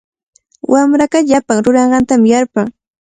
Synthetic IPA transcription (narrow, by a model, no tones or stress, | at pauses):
wamɾakaʎapaŋɾʊɾɑɴɢɑnt̪amjaɾpaŋ